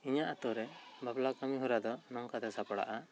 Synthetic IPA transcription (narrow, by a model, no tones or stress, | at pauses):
iɲaʔat̪ɔɾɛbablakamiɦuɾad̪ɔnɔŋkat̪ɛsapɔɽa̰ʔa